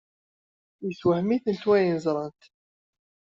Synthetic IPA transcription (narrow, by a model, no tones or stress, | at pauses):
jəswəħmiθənt̪wæjənəzˤɾˤənt̪